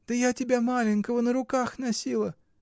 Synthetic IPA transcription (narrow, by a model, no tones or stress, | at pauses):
d̪̥əjatʲɪbʲamalʲɪnʲkəvənəɾʊkaxnɐsʲilˠə